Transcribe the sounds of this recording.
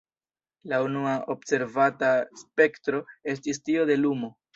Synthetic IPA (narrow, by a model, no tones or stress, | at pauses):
launuaʔo̞bse̞ɾvataspe̞ktɾo̞e̞stistio̞de̞lumo̞